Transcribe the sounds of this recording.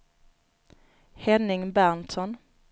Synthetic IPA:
hɛnːɪŋbæɳt̪ɔn

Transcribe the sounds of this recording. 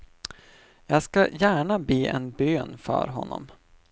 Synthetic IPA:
jɑːɡskajæːɳabeːʔɛ̰nbøːnfœ̰ɾɦɔnːɔ̰m

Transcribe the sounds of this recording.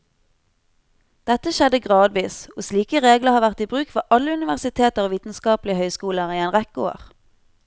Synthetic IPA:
d̪̥ɛt̪əʃɛd̪əɡʁɑːd̪ʋiːsoːsliːkəʁeːɡləhɑːʁʋæʁt̪iːbʁʉːkfɔʔɑləʉnɪʋæʁsɪt̪ʰeːt̪əʁoːʋiːt̪n̩skɑːplɪəhœʏskuːləʁiːɛnʁɛkoːə̰ʁ

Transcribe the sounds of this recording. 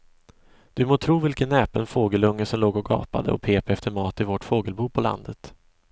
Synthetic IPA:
d̪̥ɵmoːt̪ʰɾuːvɪlkənːɛːpənfoːɡəlɵŋːəʂɔmloːɡɔɡɑ̰ːpa̰d̪ə̰ɔ̰pʰeːpɛft̪ʰəɾmɑːt̪ɪvɔʈfoːɡəlbuːpʰɔla̰nd̪ət̪

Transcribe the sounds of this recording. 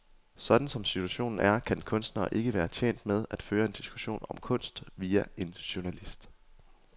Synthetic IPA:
sɒ̽d̥n̩sɒ̽msit͡sʰuæɕo̝̰ːnn̩æɐkʰænkʰɔ̽nsd̥nɐːʔe̝ɡ̥əʋæːɐt͡ɕʰjḛːn̰d̥með̞ˠæd̥føːɐe̝nd̥isɡ̥u̥ɕo̝̰ːnɒ̽mkʰɔ̽n̰sd̥ʋiːæe̝nɕuɐnælisd̥

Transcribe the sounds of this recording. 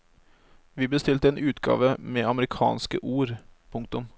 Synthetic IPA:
ʋiːbəst̪ɪlt̪əɛːnʔʉːt̪ɡɑ̰ːʋəmɛːɑməɾɪkʰɑ̰ːnskəʔuːɾpʰʊŋk̚t̪ʊm

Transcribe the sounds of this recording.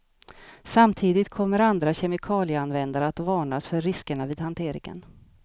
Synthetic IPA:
samt̪ʰiːd̪ɪt̪kʰɔmːəɾand̪ɾaɕɛmɪkʰɑːlɪəanvɛnd̪aɾəat̪vɑːɳasfœɾːɪskəɳaviːd̪hant̪ʰeːɾɪ̰ŋə̰n

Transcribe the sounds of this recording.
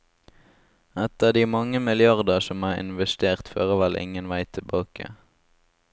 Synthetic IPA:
ɛt̪əd̪iːmɑŋəmɪlɪɑʁd̪əsɔmɑːɪ̰nʋɛst̪eːʁt̪føːʁəʋɛlʔɪ̰ŋənʋæɪt̪ʰɪbɑːkə̰

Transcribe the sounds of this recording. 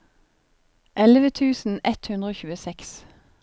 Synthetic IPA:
ʔɛləʋət̪ʰʉːsn̩ɛt̪hʉnd̪ʁəoːçʉːəsɛks

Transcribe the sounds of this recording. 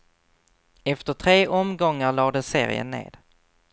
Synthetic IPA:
ɛft̪əʈʰɾeːʔɔmɡɔŋːaɾɭɑːd̪ɛsḛːɾɪ̰ə̰nḛːd̪̥

